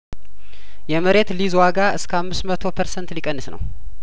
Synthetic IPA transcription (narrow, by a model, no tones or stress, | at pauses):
jɛməɾe̞t̪lizwaɡaɨskʰəamːɨsmət̪ʰo̞pʰəɾsɛnt̪likʼənːɨsnə̰w